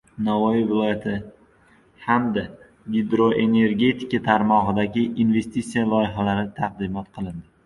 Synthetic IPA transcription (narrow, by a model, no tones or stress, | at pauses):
navɒjivɪlˠɒjat̪ʰɪ | hamd̪a | ɡʲid̪ɾoʔe̞ne̞ɾɡʲe̞t̪ʰɪ̥kat̪ʰaɾmɒʁɨd̪aɡʲɪʔinve̞st̪it̪sijalˠɒjɪɦalaɾɪt̪ʰaq̚d̪ɪmɒt̪qʰɨlˠɪnd̪ɪ